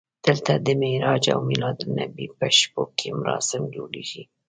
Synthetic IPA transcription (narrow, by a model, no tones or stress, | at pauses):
d̪̥əlt̪ad̪əmeɾɑd͡ʒa̰wmɪlɑd̪nabipəʃpokʰemʊɾɑsɪmd͡ʒoɽiʒi